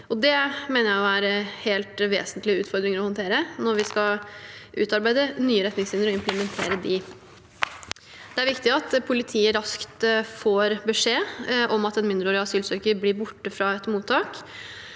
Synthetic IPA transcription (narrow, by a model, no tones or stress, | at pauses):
ʔɔd̪ɛmeːnəɾjæɪɔæɾheːlt̪ʋḛːsənt̪lɪʉːt̪fɔɾd̪ɾɪŋəɾɔhɔnt̪ʰeːɾənɔɾʋɪskɑʔʉ̰ːt̪ɑɾbæɪd̪ənyːəɾɛt̪nɪŋsʋɪnəɾɔɪmpləmɛnt̪ʰḛːɾəd̪ɪ | d̪̥ɛæɾʋɪkt̪ɪɑt̪pʰʊlɪt̪ʰiːəɾɑskt̪foːɾbəʂeːʔɔmɑt̪ɛnmɪnd̪əɾoːɾɪɑsyːlsøːkəɾblɪɾbʊʈːəfɾɑɛt̪muːt̪ʰːɑːk